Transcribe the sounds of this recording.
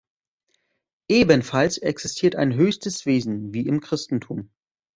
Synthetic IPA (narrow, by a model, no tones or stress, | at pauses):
ʔeːbənfalsʔɛksɪstʰiːɐta̰ɪnɦøːçstəsv̥eːzn̩viːɪmkʁ̥ɪstn̩tʰuːm